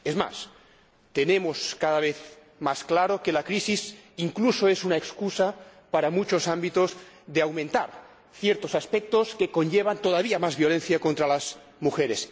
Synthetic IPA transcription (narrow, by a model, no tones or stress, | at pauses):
ezma̰s | t̪ene̞moskaðaβ̞eθ | masklaɾo̞kelakɾisisiŋkluso̞esunaekskusapaɾamut͡ʃo̞sambit̪o̞z | ðeawmẽnt̪aɾ | θjeɾt̪osaspek̚t̪oske̞ko̞nʎeβ̞ant̪o̞ðaβiamazβjo̞le̞nθjako̞nt̪ɾalaz | muxeɾes